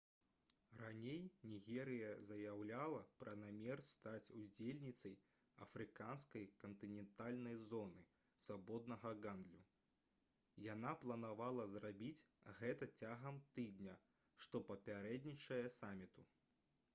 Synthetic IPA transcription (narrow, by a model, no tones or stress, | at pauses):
ranʲejnʲiɣʲɛɾɨjɐzɐjawlʲalˠɐpɾɐnamʲɛrst̪at͡sʲud͡zʲelʲnʲit̪sɐj | ɐ̰fɾɨkanskɐjkɐnt̪ɨnʲɛnt̪alʲnɐjzɔnɨ | svabɔd̪nɐɣɐɣand̪lʲu | janaplˠɐnavalˠɐzrabʲit͡sʲɣɛt̪ɐt͡sʲaɣɐmt̪ɨd̪ʲnʲɐ | ʂt̪ɔpɐpʲaɾɛd̪ʲnʲit͡ʂɐjɛsamʲit̪u